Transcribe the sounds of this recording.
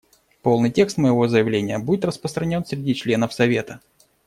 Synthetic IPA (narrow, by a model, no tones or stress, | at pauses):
po̞lˠnɨjtʲe̞kst̪məjɪvo̞zəjɪvlʲenʲɪjəbudʲɪt̪rəspɾəst̪ɾɐnʲo̞nsʲɾʲɪdʲit͡ɕlʲe̞nəfsɐvʲe̞t̪ə